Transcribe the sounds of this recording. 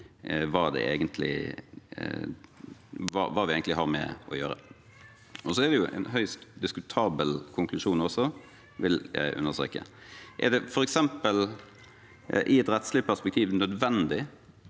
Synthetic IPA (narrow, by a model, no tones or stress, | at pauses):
ʋɑːd̪ɛ̰ʔḛːɡənt̪ʰlɪ̰ | ʋɑ̰ʋɑːʋɪeɪɡnɪhɑɾmɛ̰ʔɔ̰jøːɾə̰ | ɔsɔɛd̪ɛjʊʔɛ̰nɦœʏst̪d̪ɪskʉt̪ʰɑːbəlkʰʊŋklʉʂuːnɔsɔ | ʋɪljæ̰ɪʔʉ̰nːəst̪ḛːkə̰ʔɛ̰ɾd̪ɛfɔɾɛksɛmpəl | ʔɪɛt̪ɾɛt̪slɪpʰæspɛk̚t̪ʰiːʋnœd̪ʋɛnd̪ɪ